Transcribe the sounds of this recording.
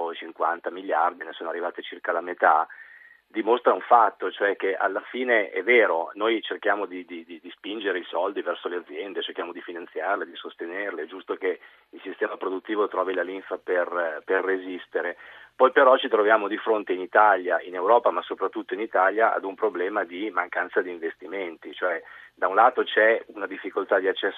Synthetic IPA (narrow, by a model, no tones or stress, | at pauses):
t͡ʃiŋkwant̪amiljard̪inesoːnoarːivaːt̪et͡ʃirkalamet̪a | d̪imost̪ɾauɱfat̪ːot͡ʃoɛkeʔa̰lːafiːneʔɛ̰vɛːɾonojt͡ʃerkjaːmod̪id̪id̪id̪ispind͡ʒeɾeisɔld̪ivɛrsolead̪zːjɛnd̪et͡ʃerkjaːmod̪ifinant̪sjarled̪isost̪enerled͡ʒust̪oke | ilsist̪ɛːmapɾod̪ut̪ːiːvot̪ɾɔːvilaliɱfaperperːezist̪eɾepɔjpeɾɔt͡ʃit̪ɾovjaːmod̪ifɾont̪einit̪aljaʔinewɾɔːpamasopɾat̪ːut̪ːoinit̪aljaʔa̰d̪umpɾoblɛːmad̪imaŋkansad̪iːɱvest̪iment̪it͡ʃoɛd̪aunlaːt̪ot͡ʃɛunad̪ifːikolt̪ad̪iat͡ʃːɛs